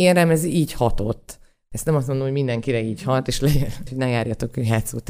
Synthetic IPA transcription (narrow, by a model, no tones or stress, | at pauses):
eːrɾɛmɛziːchɒt̪o̞̰t̪ː | ɛst̪nɛmɒst̪mond̪omojmind̪ɛŋkiɾɛiːchɒt̪ːeːʃlɛɟɛnhonɛjaːrjɒt̪o̞kɦaːt̪suːt̪